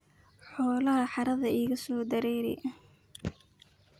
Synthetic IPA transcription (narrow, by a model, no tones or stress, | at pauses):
ħɔːlɐɦɐħɑɾɐðɐʔiːɣɐsɔːd̪ɐɾɛːɾɛ̰ʔ